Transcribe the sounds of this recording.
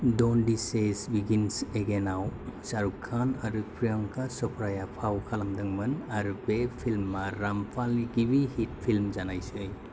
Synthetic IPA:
dɔndisesbiɡinseɡenawsaɾukʰːanaɾɯpʰɾijɔŋkʰasɔpʰɾajapʰawkʰalamdɯŋmɯnaɾubepʰilmːaɾampʰalniɡibihit̚pʰilmzanajsɯj

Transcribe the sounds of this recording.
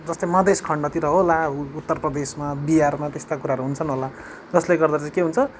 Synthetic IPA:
d͡zʌst̪ojmʌd̪ʱeskʰʌɳɖʌt̪iɾʌɦolaut̪ːʌrprʌd̪esmabijarmat̪est̪akuɾaɦɾuɦunt͡sʰʌnɦola | d͡zʌsleɡʌrd̪at͡sãĩkeɦunt͡sʰʌ

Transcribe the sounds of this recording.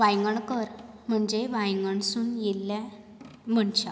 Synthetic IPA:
ʋajŋɡəɳkəɾm̤əɳd͡zeʋajŋɡəɳsuːnjelːã | m̤əɳɕa

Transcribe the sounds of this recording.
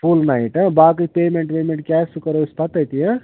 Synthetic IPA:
pʰulnaiʈə̃baːk̬ɨjpeːmeɳʈpeːmeɳʈ̚kɛːsukəɾospʰɐt̪əjt̪ijə̃

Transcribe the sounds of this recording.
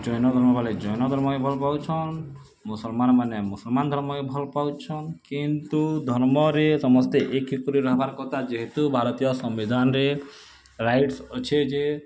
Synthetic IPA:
d͡ʒɔjnɔd̪ʱɔɾmɔbʱaled͡ʒɔjnɔd̪ʱɔɾmɔebʱɔlpawt͡ʃʰɔn | musɔlmanmanemusɔlmand̪ʱɔɾmɔebʱɔlpawt͡ʃʰɔnkint̪ud̪ʱɔɾmɔɾesɔmɔst̪eʔekikuɾiɾɔɦbaɾkɔt̪ʰad͡ʒeɦet̪ubʱaɾɔt̪ijɔsɔmbid̪ʱanɾe | ɾajʈsɔt͡ʃʰed͡ʒe

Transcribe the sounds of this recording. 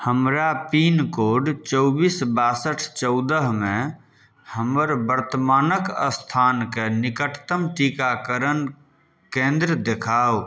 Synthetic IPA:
həmɾapiːnkoːɖt͡ʃɔʊbiːsbaːsəʈʰt͡ʃɔʊd̪əɦmẽ | həməɾbəɾt̪əmaːnəkə̰st̪ʰaːnkenɪkəʈʰt̪əmʈikakəɾən | kẽːnd̪ɾəd̪ekʰaːo

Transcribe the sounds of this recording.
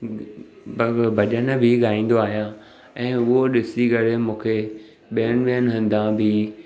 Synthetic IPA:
bbʱɐʄənbʱɪɠaːĩːn̆d̪oaːɦijã | ɛ̃ːʊɦoɗɪsikɐɾemũːkʰe | ɓiən̆ɓiənɦɐ̃n̆d̪ãbʱɪ

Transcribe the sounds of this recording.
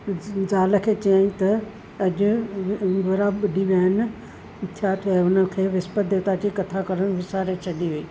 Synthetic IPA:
zaːlə̆kʰeːt͡ɕɐjãːt̪ɐ | ɐʄʊ̆ | ɡʱoːɾaɓɐɗiʋijaːɦɪnɪ | t̪ʰijat̪ʰiaʊnəkʰeːʋɪspəd̪et̪ad͡ʑikɐt̪ʰakɐɾəɽ̃ʋɪsaːɾet͡ɕʰɐɗiʋeiː

